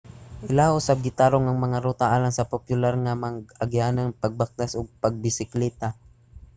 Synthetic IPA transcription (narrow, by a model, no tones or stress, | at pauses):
ʔɪlaʔʊsab̚ɡɪt̪aːɾoŋɐŋmɐŋaɾot̪aʔaːlaŋsɐpopjʊlaɾŋamɐŋɡɐɡjaːnɐŋpɐɡ̚bak̚t̪asoɡ̚pɐɡ̚bɪsɪklɛt̪a